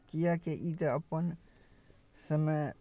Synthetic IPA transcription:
kijakeʔid̪əɐpən | səmə

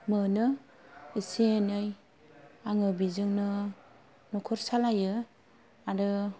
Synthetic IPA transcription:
mɯnɯ | iseenɯj | aŋɯbizɯŋnɯ | nɔkʰɔɾsalajɯ | aɾɯ

